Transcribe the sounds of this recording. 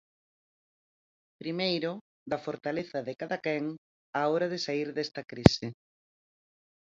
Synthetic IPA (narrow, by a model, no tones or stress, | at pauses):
pɾimejɾʊ | ðɐfoɾt̪aleθɐðɪkaðakɛŋ | aoɾɐðɪsaiɾðɛst̪ɐkɾisɪ